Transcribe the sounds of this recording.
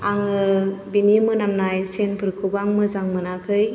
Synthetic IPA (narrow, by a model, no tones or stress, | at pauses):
aŋɯbinimɯnamnajsenpʰɯɾkʰubaŋmɯzaŋmɯnakʰɯj